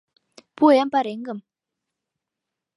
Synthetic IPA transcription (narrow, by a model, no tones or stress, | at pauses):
puɛmpaɾeŋɡəm